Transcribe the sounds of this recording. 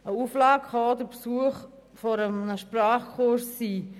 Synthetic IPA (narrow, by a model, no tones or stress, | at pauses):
əuflɑːkχɑod̪əpsuəχ | fɔɾəmnəʃpɾɑːχkʰʊɾsːiː